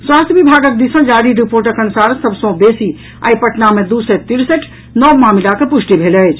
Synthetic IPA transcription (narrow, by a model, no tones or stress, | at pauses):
swaːst̪ʰjəʋibʱaːɡək̚d̪isə̃d͡ʒaːɽiɾipoːɾʈ̬əkɐnusaːɾsɐbsõbeːsi | a̰ipɐʈnamẽd̪uːset̪iɾsəʈʰ | nɔːmaːmilakepʊʃʈibʱeːləd͡ʒ